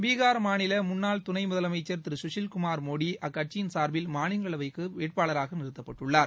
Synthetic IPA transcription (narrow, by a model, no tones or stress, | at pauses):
mbiːɣaːɾmaːnɪlɐmʊnːaːlt̪ʊnɐɪmʊðɐlɐmɐɪt͡ʃːɐɾt̪ɪɾɯsʊʂɪlkʊmaːɾmoːɽiʔɐkːɐʈ̚t͡ʃːɪjɪnsaːɾbɪlmaːnɪŋɡɐɭɐʋɐɪkːɯʋeːʈ̚paːɭɐɾaːɣɐnɪɾɯt̪ːɐpːɐʈːɯɭːaːɾ